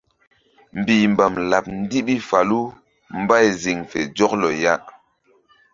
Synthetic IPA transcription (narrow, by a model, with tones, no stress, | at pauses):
m̩˨biː˨m˨ba˨mla˨p̚n̩˦di˦ɓi˦fa˨lu˦ | m̩˦ba˦˨jzi˨ŋfɛ̰˨d͡ʒɔ˦k̚lɔ˨ja˦ʔ